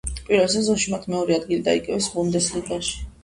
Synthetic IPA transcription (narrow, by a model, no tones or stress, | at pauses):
pʼiɾvɛlsɛzɔnʃimat̪ʰmɛɔɾiad̪ɡilid̪a̰ḭkʼɛvɛsbund̪ɛsliɡaʃi̥